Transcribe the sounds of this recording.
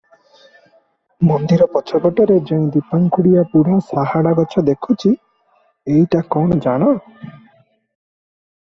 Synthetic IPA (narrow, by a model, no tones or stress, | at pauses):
mɔnd̪iɾɔpɔt͡ʃʰɔbɔʈɔɾed͡ʒeĩd̪ipaŋkʰuɽijapuɽ̤asaɦaɽaɡɔt͡ʃʰɔd̪ekʰut͡ʃʰi | ejʈakɔɽ̃ɔd͡ʒaɽ̃ɔ